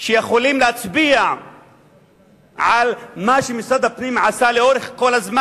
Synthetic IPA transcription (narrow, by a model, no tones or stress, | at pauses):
ʃejeχolimleat͡sbia | ʕalmaʃemisad̪hapnimʕasaleo̞ʁeχko̞lazma